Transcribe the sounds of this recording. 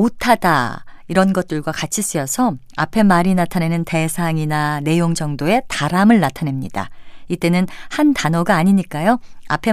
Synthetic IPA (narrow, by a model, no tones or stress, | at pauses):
otʰad̥a̰ | iɾʌnɡʌt̚t͈ɯɭɡwakat͡ɕʰis͈ɯjʌsʰʌ | a̰pʰe̞maɾinatʰane̞nɯnte̞sʰaŋinane̞joŋd͡ʑʌŋdoe̞taɾamɯɭːatʰane̞mɲida̰it͈e̞nɯnhantanʌɡaːɲiɲik͈ajoa̰pʰe̞